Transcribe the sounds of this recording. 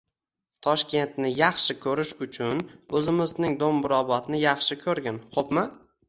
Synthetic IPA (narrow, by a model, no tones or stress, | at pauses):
t̪ʰɒʃkʲʰe̞nt̪nɪjɑχʃɪkʲʰɵɾɪʃʊt͡ʃʰʊnɵzɪmɪznɪŋd̪ombʊɾɒbɒt̪nɪjɑχʃɪkʲʰɵɾɡʲanχopma